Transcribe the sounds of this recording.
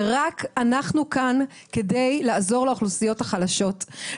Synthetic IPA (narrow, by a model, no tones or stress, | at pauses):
ʁakanaχnukan | ke̞dejlaːzo̞ʁleoχlusijo̞thaχalaʃo̞t